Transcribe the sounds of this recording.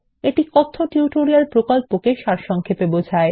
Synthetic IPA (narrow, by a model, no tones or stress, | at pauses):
eʈikɔt̪ʰːoʈjuʈoɾialpɾokolpokeʃaɾʃɔŋkʰepebod͡ʑʱae